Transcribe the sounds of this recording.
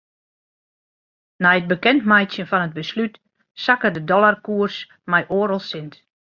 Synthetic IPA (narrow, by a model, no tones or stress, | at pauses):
najət̚bəkɛntmɛjtsjənfɔnəd̚bəslyt | sakədədɔlˠarkuərs | mɛjʔoːɾəlˠsɪnt